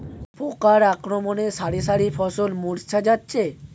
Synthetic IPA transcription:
pʰokaɾakɾomoneʃaɾiʃaɾifʰɔsolmuɾt͡ɕʰad͡ʑatːɕʰe

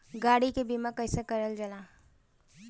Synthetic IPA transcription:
ɡaɽikebimakəjsakəɾəld͡ʒəla

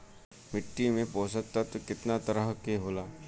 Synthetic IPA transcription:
mɪʈːimẽpoːsət̪ːat̪okɪt̪nat̪əɾəɦkeɦoːlaː

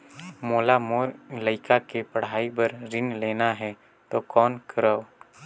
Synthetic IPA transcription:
moːlamoləɪkakepəɽ̤aːibəɾɾɪnlɛːnaɦɛ | t̪okɔːnkəɾəw

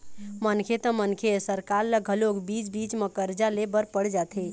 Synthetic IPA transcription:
mənkʰet̪ə̃mənkʰesəɾkaɾləɡʱəloɡbit͡ʃbit͡ʃməkəɾd͡ʒalebəɾpəɽd͡ʒat̪ʰe

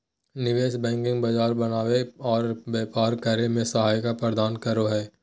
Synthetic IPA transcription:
nɪʋeːʃbɛ̃ːŋkɪ̃ŋɡbɐd͡ʒaːɾbɐnaːweɔːɾbeːpaːɾkəɾemẽsɐɦaːjkapɾəd̪aːnkɐɾoɦɛː

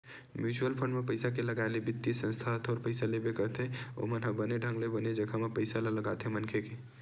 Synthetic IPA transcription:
mjuːt͡ʃuəlpʰəɳɖmepəɪsak̬eləɡaelebit̪ːiisə̃nst̪ʰat̪ʰoɾpəɪsalebekəɾt̪eo̰mənɦəbəneɖʱə̃ŋɡlebəned͡ʒəkʰamepəɪsalaləɡat̪ẽmənkʰeke

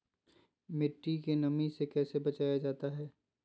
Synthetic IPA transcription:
mɪʈːikenɐmisekɛːsebɐt͡ʃaːjad͡ʒaːt̪aɦɛː

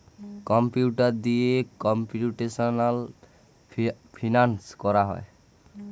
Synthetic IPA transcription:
kɔmpjuʈaɾd̪iekɔmpiuʈesɔnal | pʰinanskɔɾaɦɔ̰e

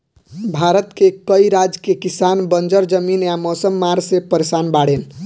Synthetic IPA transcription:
bʱaɾət̪kekəiɾad͡ʒkekisanbənd͡ʒəɾd͡ʒəminjamosəmːaɾsepəɾesanbaɽen

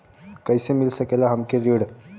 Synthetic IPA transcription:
kajsemilsəkelaɦəmkeɾiɽ

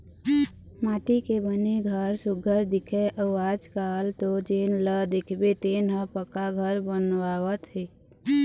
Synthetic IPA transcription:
maːʈikebəneɡʱəɾsʊɡʱəɾd̪ɪkʰeʔəwaːd͡ʒkaːlt̪od͡ʒenləd̪ekʰbet̪eːnɦəpəkaɡʱəɾbənʋaːwət̪ɦe

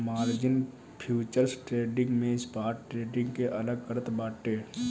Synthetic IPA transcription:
maːɾd͡ʒɪn | pʰjuːt͡ʃəɾsʈɾeːɖɪ̃ŋɡmẽspaːɾʈʈɾeːɖɪ̃ŋɡkeʔɐləɡkəɾət̪baːʈːeː

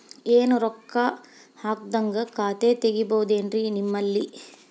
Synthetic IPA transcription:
eːnuɾɔkːɐ | haːk̚d̪ɐŋɡɐkaːt̪eːt̪eɡibɐɦud̪eːnɾinimːɐlːi

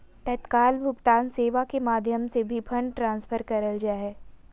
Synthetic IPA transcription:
t̪ɐt̪kaːlbʱʊpt̪aːnseːʋakemaːd̪ʱjəmsebʱipʰɐ̃ɳɖʈɾãːnsfʰəɾkɐɾəld͡ʒaːɦɛː

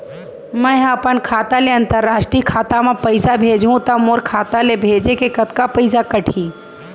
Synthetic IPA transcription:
mə̃ɐpənkʰaːt̪aleɐ̃nt̪əɾːaːʃʈɾikʰaːt̪amẽpəɪsabʱeːd͡ʒɦũt̪ɐmoɾkʰaːt̪alebʱeːd͡ʒekekət̪kapəɪs̬akəʈʰĩː

